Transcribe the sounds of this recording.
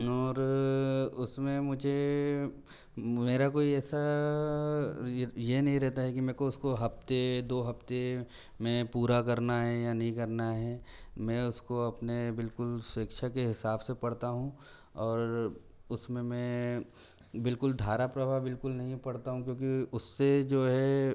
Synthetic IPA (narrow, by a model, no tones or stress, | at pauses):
ɔːɾ | ʊsmẽmʊd͡ʒʱe | meːɾakoːiɛːsa | jenɐɦĩɾɛɦt̪aɦɛkimɛ̃ːkoʊskoɦɐft̪ed̪oːɦɐft̪e | mẽpuːɾakɐɾnaɦɛjanɐɦĩkɐɾnaɦɛːmɛ̃ːʊskoɐpnebɪlkʊlsʊəkʃʰakeɦɪsaːbsepɐɽt̪aɦũ | ɔːɾ | ʊsmẽmɛ̃ | bɪlkʊld̪ʱaːɾapɾɐbʱaːbɪlkʊlnɐɦĩpɐɽt̪aɦũkjõːkiʊsːed͡ʒoːɦɛ